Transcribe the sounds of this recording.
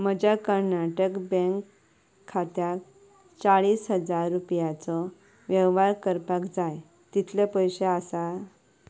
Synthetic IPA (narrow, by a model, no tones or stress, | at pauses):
məd͡ʑakəɾnaʈəkbə̃ŋkʰː | at̪jak̚ | t͡saɭiːsɦəd͡zaɾːupjat͡sɔ | ʋjɛʋʋaɾkəɾpakd͡zaj | t̪it̪ʰlepəjɕeasa